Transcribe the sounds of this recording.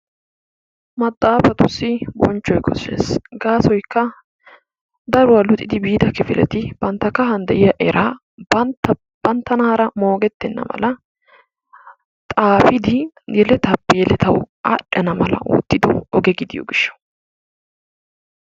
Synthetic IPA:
mɐt̪ʼːaːfɐt̪ʊsːɪbɔ̰nt͡ʃːɔjkɔsḛːsɡaːsɔjkːɐ | d̪ɐɾʊwɐlʊt̪ʼɪd̪ɪbiːd̪ɐkɪfɪlɛt̪ɪb̥ɐnt̪ːɐkɐɦɐnd̪ɛʔɪjɐʔɛɾʔaː | ɐt̪ɐ | b̥ɐnt̪ːɐnaːɾɐmo̞ːɡɛt̪ːɛnːɐ̰mɐ̰lɐ | t̪ʼaːfɪd̪ɪ | jɛlɛt̪ɐpːɛjɛlɛt̪ʰɐw | a̰ᶑɐnɐmɐlɐ̰ʔṵːt̪ːɪd̪ɔɔɡɛɡɪd̪ɪjɔ̰ɡɪʃːɐ̥

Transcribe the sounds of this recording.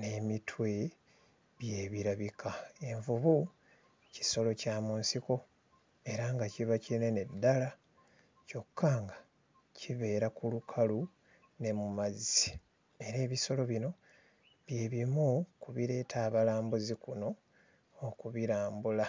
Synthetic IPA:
ne̞mitʰwe̞ | βje̞βiɾaβikʰae̞ɱvuβu | ci̥so̞lo̞caːmuːnsiko̞ | e̞ɾaŋɡaciβacinenedːala | co̞kːaːŋɡa | ciβe̞ːɾakulukʰalu | ne̞mumazi | e̞ɾe̞ːβiso̞lo̞βino̞ | βje̞ːβimukuβiɾe̞ːtʰaːβalaːmbuzikuno̞ː | kuβiɾaːmbula

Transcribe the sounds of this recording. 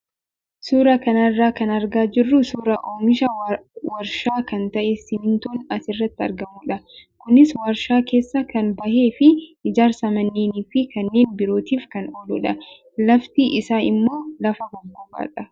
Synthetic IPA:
suːɾɐkɐnɐrːaːkɐnɐɾɡaːd͡ʒɪrːʊsuːɾɐʔoːmɪʃɐwɐɾʃaːkɐnt̪ɐʔesɪmɪnt̪o̞ːnɐsɪrːɐt̪ːɪɐ̰ɾɡɐmʊᶑɐkʊnɪswɐɾʃaːke̞ːsːɐkɐnbɐhe̞ːfɪʔɪd͡ʒaːɾsɐmɐnːeːniːfɪkɐnːeːnbɪɾo̞ːt̪iːfkɐnoːlʊᶑɐ | lɐft̪iʔɪsaːnɪmːo̞ːlɐfɐbɐbuːba̰ːᶑɐ

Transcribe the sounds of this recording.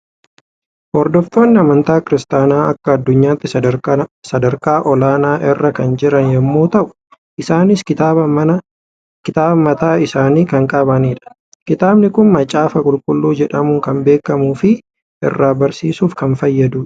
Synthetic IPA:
hɔɾd̪ɔft̪o̞ːnːɪɐmɐnt̪aːkɪɾɪst̪aːnaːɐkːɐɐd̪ːʊɲːaːt̪ːɪ | sɐd̪ɐɾkaːʔɔlaːnaːʔɪrːɐkɐnd͡ʒɪɾɐnjɛmːoːt̪ɐʔʊ̥ | ʔɪsaːnɪskɪaɐ | kɪt̪aːbɐmɐt̪aːɪsaːniːkɐŋkʼɐbɐniːᶑɐ̥ | kɪt̪aːbnɪkʊnmɐt͡ʃʼːaːfɐkʼʊlkʼʊlːuːd͡ʒɛᶑɐmʊŋkɐmbe̞ːkːɐmuːfɪ | ʔɪ̰rːaːbɐɾsiːsuːfkɐnfɐjːɐd̪uːᶑɐ̥

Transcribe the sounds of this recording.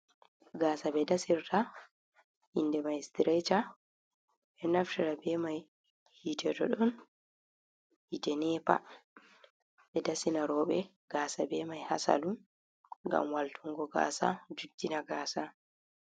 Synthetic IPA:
ɡaːsabɛdasiɾtʰa | indɛmajɛstiɾɛjt͡ʃa | ɓɛnaftiɾabɛmaj | hitʰɛtɔ̰ɗɔn | hitɛnɛpa̰ | ɓɛdasinaɾɔːɓɛ | ɡ̥aːsabɛmajha̰sa̰lum | ŋɡa̰mwaltʰuŋɡɔɡa̰ːsa̰d͡ʒudːinaɡaːsa

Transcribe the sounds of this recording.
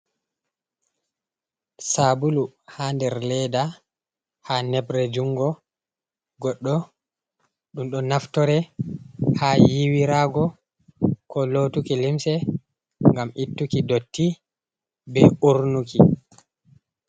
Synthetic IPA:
sabuluhandɛɾlɛda | hanɛbɾɛd͡ʒuŋɡɔ | ɡɔɗːɔ | ɗumɗɔnaftɔɾɛ | haːjiwiɾaɡɔ | kɔlotukilimsɛ | ŋɡamitːukidotːi | bɛuɾnuki

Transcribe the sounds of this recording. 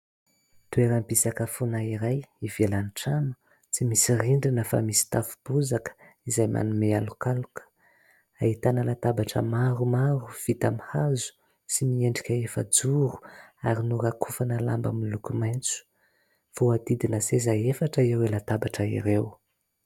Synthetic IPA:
t̪ueɾambisakəfunaiɾajivelaniʈ͡ʂamə̥ | t͡simisiriɳɖ͡ʐinəfa̰misi̥t̪afu̥b̥uzakə̥ | izajmʔa̰numealukalukə̥ | ait̪anəlat̪abaʈ͡ʂə̰maɾumaɾuv̥it̪amihazu̥ | simieɳɖ͡ʐikʲəefə̰d͡zuɾu̥aɾinuɾakʰufanəlamba̰milukumajnt͡su̥ | v̥oad̪id̪inəsezaefaʈ͡ʂəiewelat̪abaʈ͡ʂəḭɾew

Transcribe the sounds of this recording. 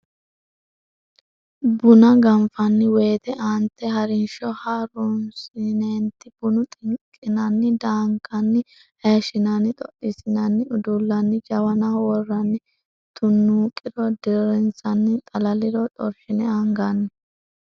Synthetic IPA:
bʊnɐɡɐmfɐnːɪweːt̪ɛʔant̪ːɛɦɐɾɪnʃɔhaɾʊnsɪneːnt̪ːɪbʊnʊt̪ʼɪŋkʼːɪnɐnːɪd̪aːŋkʰːɐnːɪ | heːʃɪnɐnːɪt̪ʼɔʔɪsɪnɐnːɪʊd̪ʊlːɐnːɪd͡ʒɐwɐnawɔrːɐnːɪ | t̪ʰʊnːuːkʼɪɾɔd̪ɪɾɛnsɐnːɪt̪ʼɐlɐlɪɾɔt̪ʼɔ̰ɾʃɪnɛɐŋɡɐnːɪ

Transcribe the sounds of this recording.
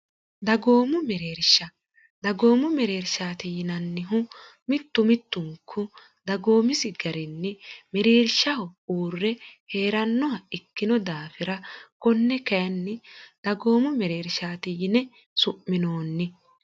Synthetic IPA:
d̪ɐɡo̞ːmʊmɛɾeːɾʃːɐ | d̪ɐɡo̞ːmʊmɛɾeːɾʃaːt̪ɪjɪnɐnːɪɦʊ | mɪt̪ːʊmɪt̪ːʊŋkʰːʊ | d̪ɐɡo̞ːmɪsɪɡɐɾɪnːɪmɛɾeːɾʃːɐhʊuːrːɛhe̞ːɾɐnːɔhɐɪkːɪnɔd̪aːfɪɾɐkɔnːɛkɐjɐnːɪd̪̥ɐɡo̞ːmʊmɛɾe̞ːɾʃaːt̪ɪjɪnɛ | sʊmːɪnoːnːɪ

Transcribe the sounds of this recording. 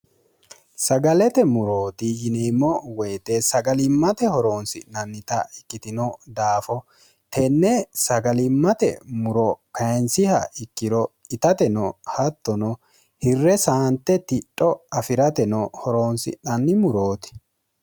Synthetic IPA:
sɐɡɐlɛt̪ɛmʊɾo̞ːt̪ɪjɪneːmːɔwɛjt̪esɐɡɐlɪmːɐt̪ɛhɔɾo̞ːnsɪ̰nɐnːɪt̪ɐɪkːɪt̪ɪnɔd̪aːfɔ | t̪ɛnːɛsɐɡɐlɪmːɐt̪ɛ̰mʊɾɔkɐjɛnsɪhɐ̰ɪkːɪɾɔɪt̪ɐt̪ɛnɔhɐt̪ːɔnɔ | hɪrːɛsaːnt̪ːɛt̪ɪtʼːɔɐfɪɾɐt̪ɛnɔhɔɾo̞ːnsɪ̰ɐnːɪmʊɾoːt̪ɪ̥

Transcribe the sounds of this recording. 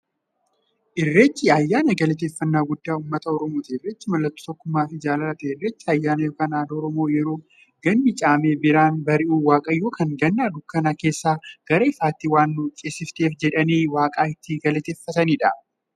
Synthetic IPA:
ʔɪrːeːt͡ʃːɪɐjːaːnɐɡɐlɛt̪̬e̞ːfːɐnːaːɡʊd̪ːaːʊːmːɐt̪ɐɔɾɔmoːt̪ɪɪrːeːt͡ʃːɪmɐlːɐt̪ːo̥ːt̪ɔkːʊmːaːfɪd͡ʒaːlɐlɐt̪ɛɪrːeːt͡ʃːɪɐjːaːnɐjoːkaːnaːd̪ɐɔɾɔmo̞ːjɛɾo̞ː | ɡ̥ɐnːɪt͡ʃʼaːme̞ːbɪɾaːnbɐɾɪʔuːwaːkʼɐjo̞ːkɐŋɡɐnːaːd̪ʊkːɐnake̞ːsːaːɡ̥ɐɾɐɪfaːt̪ːɪwaːnːuːt͡ʃʼesɪft̪e̞ːfd͡ʒɛᶑɐniːwaːkʼaːɪt̪ːɪɡɐlɛt̪eːfːɐt̪ɐniːᶑɐ

